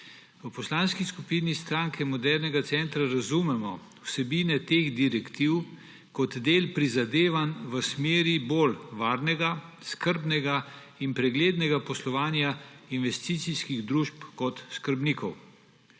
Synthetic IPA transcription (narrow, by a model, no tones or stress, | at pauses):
əpɔslaːnskiskupiːnist̪ɾaːŋkʰɛmɔd̪ɛɾnɛɡat̪sɛnt̪ɾaɾazumɛmɔ | wsɛbiːnɛt̪eɣd̪iɾɛkt̪iw | kɔt̪d̪eːlpɾizad̪eːʋanʋəsmeːɾibolʋaːɾnɛɡaskəɾbnɛɡa | inpɾɛɡleːd̪nɛɡapɔslɔʋaːnja | inʋɛst̪iːt̪siskiɣd̪ɾuʃpkɔt̪skəɾbnikɔw